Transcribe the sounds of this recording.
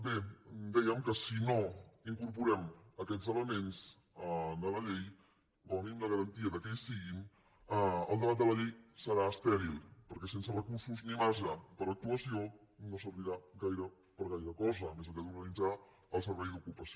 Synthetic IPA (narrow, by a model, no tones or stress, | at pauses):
bed̪ɛjəmkəsinoiŋkuɾp̬uɾɛməkɛd͡zələmenz | d̪ələʎej | rəwnimləɣəɾənt̪iəðəkɛjsiɣin | əlˠd̪əβat̪d̪ələʎejsəɾaəst̪ɛɾilˠpəɾkɛs̬ensərəkuɾsuznimaʒəpəɾək̚t̪uəsio | nosəɾβiɾaɡajɾə | pəɾɣajɾəkɔzəmezəkɛðuɾɣənid͡za | əlˠsəɾβɛjðukupəsio